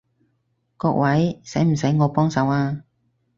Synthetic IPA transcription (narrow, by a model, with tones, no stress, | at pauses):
kɔː˧k̚wɐ˨˥jsɛ˨˥jm̩˨˩sɐ˨˥jŋɔː˨˧pɔː˥ŋsɐ˨˥waː˧